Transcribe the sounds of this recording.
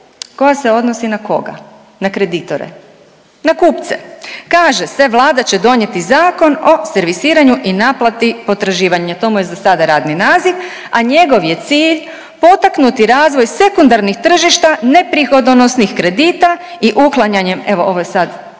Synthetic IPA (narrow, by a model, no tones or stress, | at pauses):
ko̞jaseo̞d̪nosinako̰ɡa̰ | nakɾed̪it̪o̰ɾḛ | nakuːpt̪sḛkaːʒeseʋlˠaːd̪at͡ɕe̞d̪o̞ɲe̞t̪izaːko̞no̞seɾʋisiːɾaɲuʔinaplˠat̪ipo̞t̪ɾaʒiːʋaɲat̪o̞mujezasad̪aɾaːd̪ninaːzik | aɲe̞ɡo̞ʋje̞t̪siːʎ | po̞t̪aknut̪iɾaːzʋo̞jse̞kund̪aɾnixt̪r̩ʒiʃt̪ane̞pɾixo̞d̪onosnixkɾe̞d̪iːt̪a | iʔuklˠaɲaɲe̞me̞ʋoʔo̞ʋojesad̪